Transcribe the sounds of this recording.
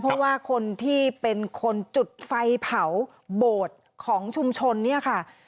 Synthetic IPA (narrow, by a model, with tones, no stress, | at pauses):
pʰɔ˦˥waː˥˩kʰo˧nt̪ʰiː˥˩pe˧nkʰo˧nt͡ɕu˨˩t̪̚fa˧jpʰa˩˦w | boː˨˩t̪̚ | kʰɔː˩˦ŋt͡ɕʰu˧mt͡ɕʰo˧nːi˥˩ɐkʰa˥˩